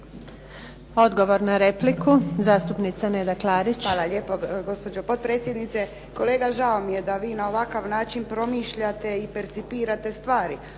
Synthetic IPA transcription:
o̞d̪ɡo̞ʋo̞ɾnaɾe̞plikʰuzaːst̪upnit̪saneːd̪aklˠaːɾit͡ɕalaʎeːpoɡo̞spo̞d͡ʒopo̞t̪̚pɾeːt̪sjed̪nit̪se | ko̞leːɡaʒaomijed̪aʋiːnaoʋakaʋnaːt͡ʃinpɾo̞miːʃʎat̪e̞ipeɾt̪sipiːɾat̪e̞st̪ʋaːɾi

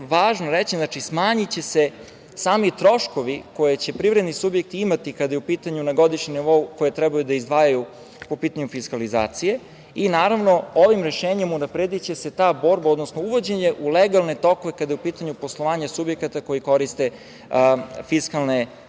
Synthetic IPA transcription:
ʋaːʒnoɾet͡ɕiznat͡ʃismaːɲit͡ɕese | saːmit̪ɾo̞ʃko̞ʋiko̞jet͡ɕe̞pɾivɾed̪nisubjek̚t̪iimat̪ikad̪ajeupiːt̪aɲunaɡo̞d̪iʃɲimniʋo̞ukojet̪ɾɛbajud̪aizd̪ʋaːjaju | po̞piːt̪aɲufiskaliza̰ːt̪sije̞ | inaːɾaʋno̞oʋimɾeʃeːɲimunapɾed̪it͡ɕe̞se̞t̪aːbo̞ːɾbao̞d̪nosnouʋo̞d͡ʑe̞ɲe̞ʔuleɡalˠne̞t̪o̞koʋekad̪ajupiːt̪aɲupo̞slˠo̞ʋaːɲasubje̞kat̪ako̞jiko̞ɾist̪e̞ | fiskalˠne

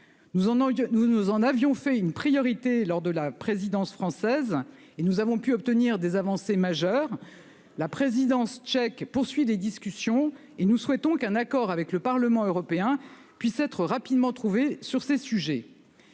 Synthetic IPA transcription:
unuzɑ̃navjɔ̃fɛynpχijɔʁit̪elɔʁd̪əlapχezid̪ɑ̃sfχɑ̃sɛz | enuzavɔ̃pyɔp̚t̪əniʁd̪ezavɑ̃semaʒœːʁ | lapχezid̪ɑ̃st͡ʃɛkpuʁsɥiled̪iskʲysjɔ̃ | enuswɛt̪ɔ̃kɛ̃nakɔʁavɛkləpaʁləmɑ̃øʁɔpeɛ̃ | pɥisɛt̪χəʁapid̪mɑ̃t̪χuvesyʁsesyʒɛ

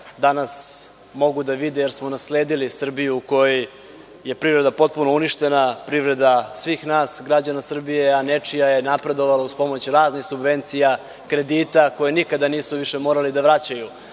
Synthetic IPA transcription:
d̪anas | mo̞ɡud̪aʋid̪ejeɾsmo̞nasleːd̪ilisr̩bijuko̞ji | je̞pɾivɾe̞d̪apo̞t̪̚punouniʃt̪e̞napɾivɾe̞d̪asʋixnaːsɡɾad͡ʑanasr̩bije̞anet͡ʂijajenapɾe̞d̪o̞ʋalauspo̞mo̞t͡ɕɾaːznixsubʋe̞nt̪sija | kɾe̞d̪it̪ako̞jenikad̪aniːsuʋiʃemo̞ːɾalid̪aʋɾat͡ɕaju

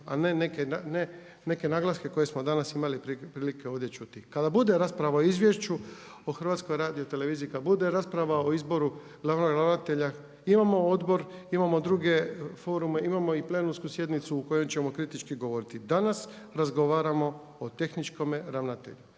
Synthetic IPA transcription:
a̰nenekenane | ne̞ke̞naɡlˠaske̞ko̞je̞smo̞d̪anasimalippɾiːlike̞o̞d̪je̞t͡ʃut̪ikad̪abud̪e̞ɾaːspɾaʋaoizʋʲje̞ʃt͡ʃuoxr̩ʋaːt̪sko̞jɾaːd̪ijot̪e̞le̞ʋiːziːkad̪abud̪e̞ɾaːspɾaʋaoizbo̞ɾu | ɡlaʋnoɡɾaʋnat̪e̞ʎa | imamo̞od̪bo̞ɾimamo̞d̪ɾuɡe̞fo̞ːɾume̞imamo̞iple̞nunskusje̞d̪nit̪suːko̞je̞mt͡ɕe̞mo̞kɾit̪it͡ʃkiɡo̞ʋo̞ɾit̪id̪anas | ɾazɡoʋaːɾamo̞ | ot̪e̞xnit͡ʃko̞meɾaʋnat̪e̞̰ʎu

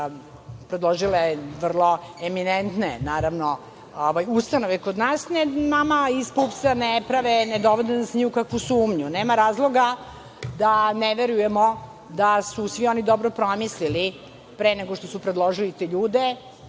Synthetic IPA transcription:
pɾed̪lˠoʒileʋr̩lˠo̞eminent̪nenaːɾaʋno | oʋajust̪anoʋekod̪naːsnenamaispupsanepɾaʋened̪oʋod̪inasɲuːkakʋusuːmɲuneːmaɾaːzlˠo̞ɡa | d̪aneʋeɾujemo | d̪asusʋionid̪obɾopɾomislili | pɾeneɡoʂt̪osupɾed̪lˠoʒilit̪eʎuːd̪e

